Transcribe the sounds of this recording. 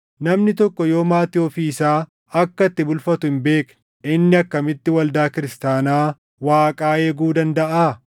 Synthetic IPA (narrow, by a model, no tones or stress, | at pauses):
nɐmnɪt̪ɔkːɔjo̞ːmaːt̪ɪɔfiːɪsaː | ɐkːɐt̪ːɪbʊlfɐt̪ʊhɪmbe̞ːk | ɪnːɪɐkːɐmɪt̪ːɪwɐld̪aːkɪɾɪst̪aːnaː | waːkʼaːeːɡuːd̪ɐnd̪ɐʔaː